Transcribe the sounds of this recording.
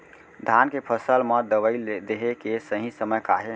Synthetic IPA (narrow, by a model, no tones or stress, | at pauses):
d̪ʱankepʰəsəlmed̪əʋəɪd̪eɦekesəɦĩsəməjkaɦe